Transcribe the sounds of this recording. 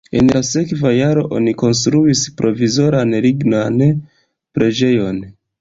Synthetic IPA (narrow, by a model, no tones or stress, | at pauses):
e̞̰nlase̞kvajaɾo̞ʔo̞̰niko̞ns̬t̪ɾuispɾʔo̞vizo̞ɾanliɡnan | pɾʔe̞d͡ʒe̞jo̞n